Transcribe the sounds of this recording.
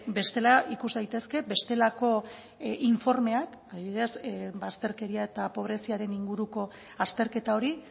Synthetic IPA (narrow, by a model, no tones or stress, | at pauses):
be̞st̪e̞laikuzd̪ajt̪e̞ske̞be̞st̪e̞lako̞ | ʔiɱfo̞ɾme̞ak | aðiβiɾesbast̪e̞ɾke̞ɾiae̞t̪apo̞β̞ɾe̞siaɾe̞niŋɡuɾuko̞ | ast̪e̞ɾke̞t̪ao̞ɾi